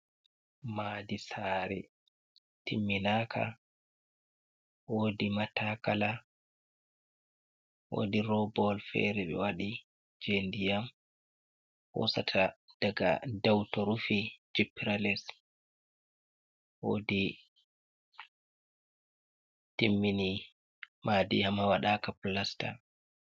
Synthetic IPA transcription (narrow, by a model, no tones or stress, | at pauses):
maːdisaːɾɛ̰ | timːinaːkʰa̰ | woːdimatakala | wo̰diɾɔbɔlfɛ̰ɾɛɓɛ̰waɗi | d͡ʒendijam | wɔ̰satʰad̥aɡa̰dawtɔɾufid͡ʒipːiɾalɛs | wo̰ːdi | timːini | madijamhawaɗaːkaplasta̰